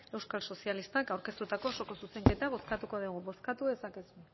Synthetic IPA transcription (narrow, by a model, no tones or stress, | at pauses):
e̞wskalso̞sialist̪akawɾke̞st̪ut̪ako̞ːso̞ko̞suse̞ŋke̞t̪aβ̞o̞skat̪uko̞ðuɣ̞uβo̞skat̪uðe̞sake̞su